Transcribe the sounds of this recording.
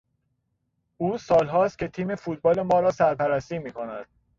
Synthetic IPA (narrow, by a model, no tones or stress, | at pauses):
ʔuːsɒːlɦɒːst̪̚cʰe̞t̪ʰiːme̞fuːt̪̚bɒːle̞mɒːɾɒːsæɾpæɾæst̪iːmiːkʰo̞næd̪̥̚